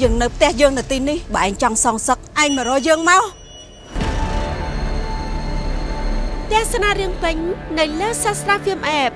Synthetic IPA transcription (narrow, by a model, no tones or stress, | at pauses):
jəːŋnɨwp̚ʰt̪ɛ̆əhjəːŋnɨwt̪iːnihɓɑːʔaɛŋt͡ɕɑŋsɑːŋsək̚ʔaɛŋmə̆rɔːjəːŋmaɔ | p̚ʰt̪ɛ̆əhsanaːɾiəŋpɨɲnɨwləːsasraːfʰiəmʔɛːp̚